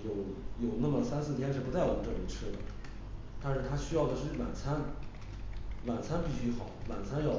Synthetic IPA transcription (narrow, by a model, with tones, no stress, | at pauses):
jo˨˧˥ʊjo˨˩ʊna˥˩mə˩sa˥nsɹ̩˥˩t̪ʰjɛ˥nʂɻ̩˥˩pu˧˥t͡sa˥˩ɪwɑ˨˩ŋʈ͡ʂɤ˥˩ŋi˧˩ʈ͡ʂʰɻ̩˥d̪ə˨ | t̪a˥˧nʂɻ̩˥˩t̪ʰa˥ɕy˥jɑ˥˩ʊd̪ə˩ʂɻ̩˥˩wa̰˨˩nt͡sʰa˥n | wa˨˩nt͡sʰa˥npi˥˩ɕy˥xɑ˨˩˦ʊwa̰˨˩nt͡sʰa˥njɑ˥˧˩